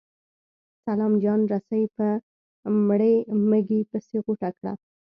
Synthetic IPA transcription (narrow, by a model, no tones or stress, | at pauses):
salɑmd͡ʒɑnɾasajpə | mɽeməɡipəseɣoʈakɽa̰